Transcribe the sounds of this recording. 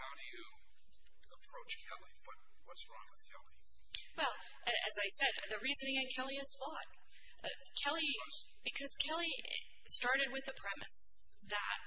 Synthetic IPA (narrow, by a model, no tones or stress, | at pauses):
haʊɾɨjɨ | əpʰɹ̥oʊt͡ʃkʰɛlˠib̥ʌt̚ | wʌtsɹɔ̃ŋkʰɛlˠi | wɛlˠ | ʔɨɨzaɪsɛdðɨɹizɨ̃nɪ̃ŋɨ̃nkʰɛlˠiɨz̥fɔt̚ | ʌ̰ | kʰɛlˠi | b̥ɨkʰʌz̥kʰɛlˠi | stɑɹɾɨd̚wɨðɨpʰɹ̥ɛmɨ̰s | ðə̰t̚